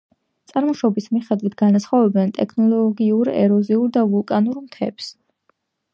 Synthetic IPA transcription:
t̪sʼaɾmɔʃɔbismiχɛd̪wit̪ʰɡ̥anasχɔvɛbɛnt̪ʼɛkʰnɔlˠɔɡiuɾɛ̰ɾɔziuɾd̪avulˠkʼanuɾmt̪ʰɛps

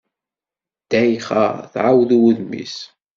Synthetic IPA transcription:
d̪̥æjχa̰ʁθʕawðuwuðmḭs

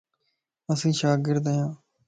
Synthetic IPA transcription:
əsĩːʃaːɡɪɾd̪ejãː

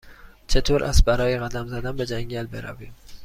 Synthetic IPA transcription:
t͡ʃʰe̞t̪ʰoːɾʔæ̰s̚bæɾɒːjeɣæd̪æmzæd̪ænbe̞d͡ʒæŋɟælbeɾæ̰viːm

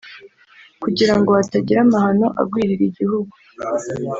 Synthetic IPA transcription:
kuɟiɾaŋɡo̞ataɟiɾamahano̞ʔa̰b̚ɡwiːɾiɾiɟihuɡu

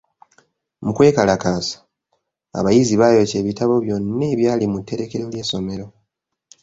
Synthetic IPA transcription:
mukwe̞ːkalakaːsḁ | a̰βajiziβaːjo̞ce̞ːβitaβo̞βjo̞nːe̞ːβjaːlimutːe̞ɾe̞ke̞ɾolje̞ːso̞me̞ɾo

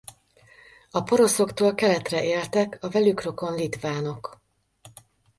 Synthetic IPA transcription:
ɒpo̞ɾo̞so̞kt̪oːlkɛlɛt̪rɛʔeːlt̪ɛkɒvɛlykro̞ko̞nlit̪vaːno̞k

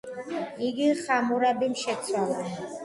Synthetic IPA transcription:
iɡiχamuɾabimʃɛt̪sʰwala

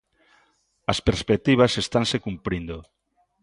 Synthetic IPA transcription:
ɐspeɾspek̚t̪iβ̞asest̪ansekumpɾind̪o

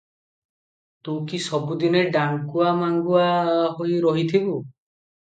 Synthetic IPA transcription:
t̪ũkisɔbud̪ineɖaŋkuamaŋɡuaɦojɾɔɦit̪ʰibu

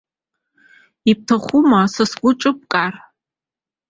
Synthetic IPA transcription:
ip̚tʰaχʷumasasɡʷʊʈ͡ʂʼɨp̚kʼar

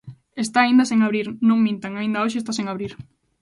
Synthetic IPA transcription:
est̪aːind̪ɐsẽŋaβɾiɾnõŋmĩnt̪aŋaĩnd̪ɐoʃest̪asẽŋaβɾiɾ

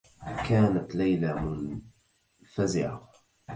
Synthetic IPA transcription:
kaːnat̪lajlamʊn | fazɪʕa̰

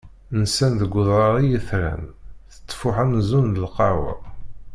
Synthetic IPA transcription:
nsænðəɡʷːʊðˤɾɑɾˤijəθɾæ̰nθə̥t̪ˤːfʊħænzunðəlqɑwa̰

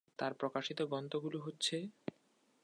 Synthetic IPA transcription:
t̪aɾpɾokaʃit̪oɡɔnd̪oɡuloɦotːɕʰe

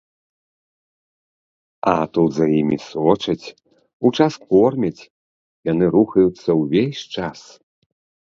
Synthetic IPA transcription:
ɐ̰t̪ud̪zajimʲisɔt͡ʂɐt͡sʲ | ut͡ʂaskɔrmʲɐt͡sʲ | janɨɾuxɐjut̪sːɐwvʲesʲt͡ʂas

